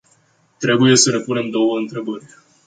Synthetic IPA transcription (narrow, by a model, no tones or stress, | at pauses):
t̪ɾe̞buje̞səne̞pune̞md̪o̞wəɨnt̪ɾe̞bərʲ